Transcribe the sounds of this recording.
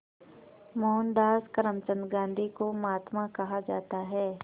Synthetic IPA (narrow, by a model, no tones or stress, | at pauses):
mɔːnd̪aːskɐɾəmt͡ʃənɡãːnd̪ʱikomaːt̪mãkɐɦad͡ʒaːt̪aɦɛː